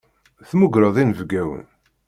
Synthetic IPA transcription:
θmʊɡɾəðˤinvɡæwə̰n

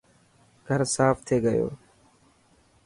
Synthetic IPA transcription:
ɡʱəɾsaːft̪ʰeːɡəjo̰ː

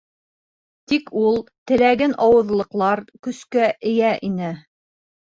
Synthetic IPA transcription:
t̪ikʰulˠt̪ɘ̆læɡɘnʔɑwɤ̆ðlˠɤ̆qlˠɑɾkɵ̆skæʔɘ̆jæʔinɘ

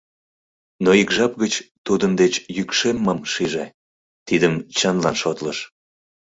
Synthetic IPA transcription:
noikʒɑp̚ɣət͡ɕt̪ud̪ənd̪et͡ɕjykʃemːəmʃiʒe | t̪id̪əmt͡ɕənlɑnʃot̪ləʃ

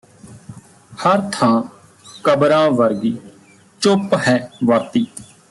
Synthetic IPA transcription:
həɾt̪ʰãː | kəbɾãːʋəɾɡiː | t͡ʃopɦɛːʋəɾt̪iː

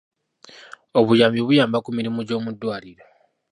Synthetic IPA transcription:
oβujaːmbiβujaːmbakumiɾimuɟo̞ːmudːwaːliɾo

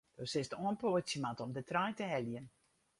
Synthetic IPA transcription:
d̥ɔsɪstəoənpoəsjəmatɔmdətrajtəɦɛljən

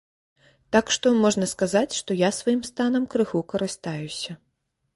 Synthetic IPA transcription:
t̪akʂt̪ɔmɔʐnɐskazat͡sʲʂt̪ɔjasvajimst̪anɐmkɾɨxukɐɾɨst̪ajusʲɐ

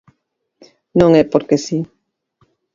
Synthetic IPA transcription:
nõŋɛpoɾkesi

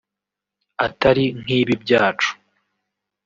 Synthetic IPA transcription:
ataɾiŋ̥iːβib̚ɟaːt͡ʃu̥

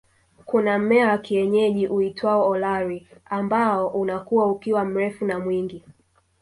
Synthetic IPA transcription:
kunamɛawakiɛɲɛʄiʔuitʰwaɔɔlaɾiambaɔʔunakuwaukiwam̩ɾɛfunamwiŋɡi

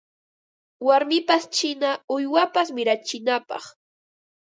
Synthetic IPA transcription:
waɾmɪpast͡ʃɪnaʊjwapasmɪɾat͡ʃɪnapɑ̰χ

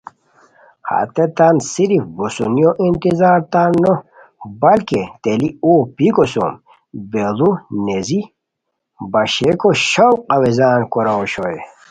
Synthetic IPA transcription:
ha̰t̪et̪aːnsiɾifbusṵnijoʔint̪izaːɾt̪aːnːo | bɐlket̪eliopikoso̰m | belunezi | bɐɕekoɕowqɐwezaːnkoɾaoɕoe

